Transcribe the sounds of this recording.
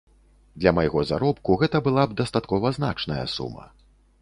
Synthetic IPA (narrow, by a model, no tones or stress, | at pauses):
d̪lʲɐmɐjɣɔzaɾɔpkuɣɛt̪ɐbɨlˠab̚d̪ɐst̪at̪kɔvɐzna̰t͡ʂnɐjɐ̰sṵmɐ̰